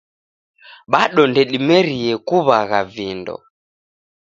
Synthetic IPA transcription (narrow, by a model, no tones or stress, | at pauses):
ɓaɗɔndɛɗimɛɾiɛkuβaɣavindɔ̰